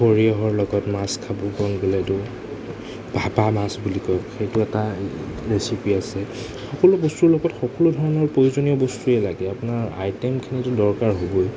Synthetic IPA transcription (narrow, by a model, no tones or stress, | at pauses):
oɹiɔɦɔɹlɔɡɔtmaskʰabɔbɔnɡolɛtʊ | bʱapamasbulikɔkxejtʊɛta | ɹesipiasɛ | xɔkɔlʊbɔstuɹlɔɡɔtxɔkɔlʊdʱɔɹɔnɔɹpɹojuzoniɔbostuɛlaɡɛapʊnaɹa̰jtɛmkʰinitʊdɔɹkaɹɦoboj